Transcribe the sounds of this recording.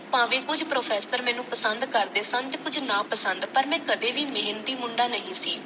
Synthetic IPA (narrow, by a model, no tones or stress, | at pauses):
pãːʋẽːkʊd͡ʒʱpɾoːpʰɛːsəɾmɛ̃ːnũːpəsənd̪kəɾd̪eːsə̃nt̪eːkʊd͡ʒnãːpəsə̃nd̪pəɾmɛ̃ːkəd̪eːʋiːmeɦənt̪iːmʊɳɖaːnəɦĩːsiː